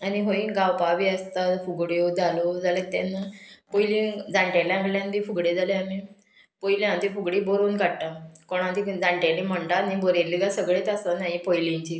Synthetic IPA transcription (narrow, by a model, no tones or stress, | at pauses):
aniɦoiɡawpaʋiast̪afuɡɽjod͡zalod͡zalet̪ːa̰nːapojlĩŋd͡zaɳʈjaljãɡljãnd̪ifuɡɽed͡zaljamĩ | pojljãnt̪ifuɡɽibɔɾoːnkaɽʈakɔɽ̃ãnt̪id͡zaɳʈãlim̤əɳʈanibɔɾeɾliɡasəɡɭet̪asanajipɔjlĩɲt͡ɕi